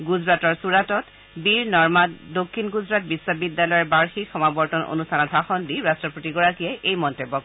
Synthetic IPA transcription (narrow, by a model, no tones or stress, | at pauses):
ɡuzɹatɔɹsuɹatɔt | biɹnɔɹmatdokʰːinɡuzɹat̚bisːɔbidːalɔjɔɹbaɹxixɔmabɔɹtɔnʔo̰nustʰanɔtɦaxɔndiɹastɹɔpotiɡɔɹakijɛʔejmɔntebɔk̚